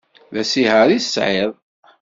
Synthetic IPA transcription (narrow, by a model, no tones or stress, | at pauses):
ðæsihaɾi̥sʕeðˤ